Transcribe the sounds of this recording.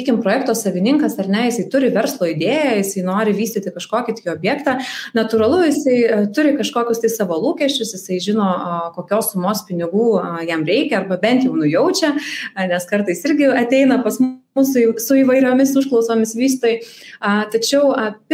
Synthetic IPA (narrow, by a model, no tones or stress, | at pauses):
iːkʲɪmpɾoːjɛkt̪oːsɐʋʲɪnʲɪŋkɐsɐrnʲɛjɪsɐɪt̪ʊɾʲɪʋʲɛɾslˠoːɪd̪ʲeːjɛjɪsɐɪnoːɾʲɪʋʲiːsʲt̪ʲɪt̪ʲɪkɐʃkoːkʲɪt̪ioːbʲjɛːkt̪ɑnɐt̪ʊːɾɐlˠʊjɪsɐɪt̪ʊɾʲɪkɐʃkoːkʲʊst̪ɐɪsɑʋolˠuːkʲɛʃʲt͡ʃʲʊsjɪsɐɪʒʲɪnoːkoːkʲoːssʊmoːspʲɪnʲɪɡuːjɛmɾʲɛɪkʲɛɐrbɐbʲɛnʲt̪jɛʊnʊjɛʊt͡ʃʲɛnʲɛskɐrt̪ɐɪsɪɾʲɡʲɪɐt̪ʲɛɪnɐpɐsm | ʊsʊisʊiːʋɐɪɾʲoːmʲɪsʊʃklˠɒʊsoːmʲɪsʋʲiːst̪oːjɪɐt̪ɐt͡ʃʲɛʊɐpʲ